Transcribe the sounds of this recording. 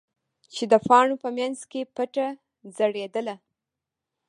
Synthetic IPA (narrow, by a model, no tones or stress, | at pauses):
t͡ʃed̪əfɑɳopəmjanzkepəʈa | zəɽed̪əla